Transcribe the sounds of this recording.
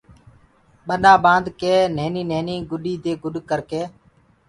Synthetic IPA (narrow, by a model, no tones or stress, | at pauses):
ɓəɗaːɓãːnd̪keːneːniːneːniːɡʊɗiːd̪eːɡʊɗkəɾkeː